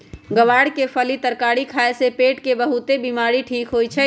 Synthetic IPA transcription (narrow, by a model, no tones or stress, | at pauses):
ɡəʋaːɽkepʰəlit̪əɾkaːɽikʰaesepeːʈkebəɦut̪ebimaːɾiʈʰiːkɦojt͡ʃʰɛ